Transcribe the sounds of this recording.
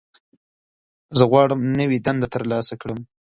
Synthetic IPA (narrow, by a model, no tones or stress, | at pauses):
zəɣwɑɽəmnəwid̪and̪at̪əɾlɑsakɽəm